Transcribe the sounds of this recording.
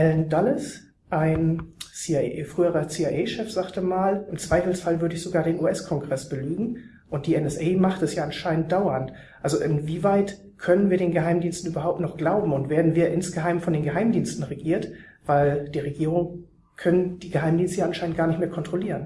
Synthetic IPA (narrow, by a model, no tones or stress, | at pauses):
ʔɛlndalɪs | ʔaɪnsiafʁ̥yːəʁɐt͡siːaʔɛɪʃɛfz̥aːktəmaːlʔɪmt͡sv̥aɪfl̩sfalvʏɐɾəɪçz̥oɡaːɐɾeːnuːɛskʰɔŋɡʁɛsb̥əlyːɡŋ̩ | ʔʊnt̚d̥iːɛnɛsʔɛɪmaχtɛsjaːʔanʃaɪnənt̚d̥aʊɐnt | ʔalzoʔɪnviːvaɪt | kʰœnənviːɐɾeːnɡəɦaɪmdiːnstn̩ʔyːbɐɦaʊp̚tnɔχɡ̥laʊbm̩ʊntv̥eːɐdn̩viːɐʔɪnsɡ̥əɦaɪmfɔndeːnɡəɦaɪmdiːnstn̩ʁeɡiːɐt | v̥aɪld̥iːʁeɡiːʁ̞ʊŋ | kʰœnənd̥iːɡəɦaɪmdiːnstəjaʔanʃaɪnəntɡ̥aːɐnɪçtmeːɐkʰɔntʁ̥oliːʁən